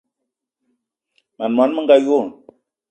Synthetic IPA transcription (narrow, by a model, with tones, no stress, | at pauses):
ma˨nma˨˦nmə˦ŋɡa˦ju˦˨n